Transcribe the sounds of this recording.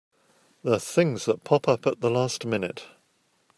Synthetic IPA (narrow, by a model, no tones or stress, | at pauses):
ðəθɪ̃ŋzðət̚pʰɒpʰʌpəʔ̪̚ðəlæˑstmɪnɪt